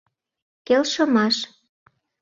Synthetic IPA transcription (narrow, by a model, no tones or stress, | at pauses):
kelʃɤ̆mɑʃ